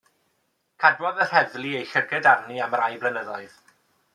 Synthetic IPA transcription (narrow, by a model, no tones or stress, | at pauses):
kʰadwɔðər̥ɛvlˠiejɬəɡədarniaməɾajblənəðɔɨð